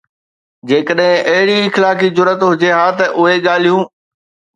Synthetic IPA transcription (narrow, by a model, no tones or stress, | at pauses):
d͡ʑeːkəɗɦɪ̃ʔɐɦɪɽiɪxlaːkizʊɾət̪ɦʊd͡ʑeɦaːt̪ɐʔʊɦeɠaːl̤ijũː